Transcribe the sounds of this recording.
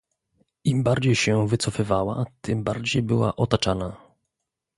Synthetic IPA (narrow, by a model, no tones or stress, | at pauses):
imbaɾd͡ʑejɕɛvɘt̪sɔfɘvawa̰t̪ɘmbaɾd͡ʑejbɘwa̰ʔɔt̪at͡ʂana